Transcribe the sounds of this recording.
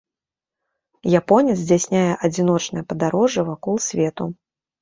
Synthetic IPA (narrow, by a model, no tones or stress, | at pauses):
japɔnʲɛt̪zʲd͡zʲasʲnʲajɛʔɐd͡zʲin̪ɔt͡ʂnɐjɐpɐd̪aɾɔʐɨvakɔlˠsʲvʲɛt̪u